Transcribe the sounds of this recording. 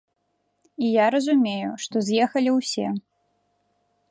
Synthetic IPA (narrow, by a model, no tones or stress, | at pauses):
ijaɾɐzumʲejuʂt̪ɔzʲjɛxɐlʲiwsʲɛ̰